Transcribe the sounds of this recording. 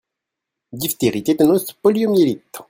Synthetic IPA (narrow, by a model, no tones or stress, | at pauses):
d̪ift̪eʁit̪et̪enospɔljomjelit̪